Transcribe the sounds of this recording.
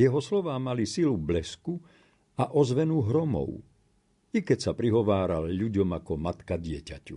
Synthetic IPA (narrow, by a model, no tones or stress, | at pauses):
jɛɦɔslɔʋaːmalisilublɛsku | aʔɔzʋɛnuːɦɾɔmɔ̰w | ikɛcsapɾiɦɔʋaːɾalʎuɟɔmakɔmat̪kaɟɪɛcacṵ